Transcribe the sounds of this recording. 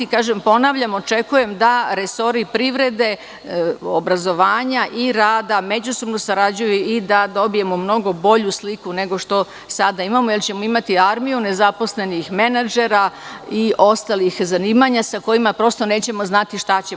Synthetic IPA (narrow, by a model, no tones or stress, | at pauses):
ikaːʒempo̞naʋʎamo̞t͡ʃe̞kuje̞md̪aɾeso̞ɾipɾiʋɾe̞d̪e̞ | obɾazo̞ʋaːɲaʔiɾaːd̪ame̞d͡ʑuso̞bnosaɾad͡ʑujuid̪ad̪o̞bije̞momno̞ɡo̞bo̞ʎuslikune̞ɡo̞ʃt̪o̞ | sad̪aimamojelt͡ɕe̞mo̞imat̪iaɾmijune̞zapo̞sle̞nixme̞nad͡ʒe̞ɾaiʔo̞st̪alixzaniːmaɲasako̞jimapɾo̞st̪o̞ne̞ːt͡ɕe̞mo̞znat̪iʃt̪at͡ɕe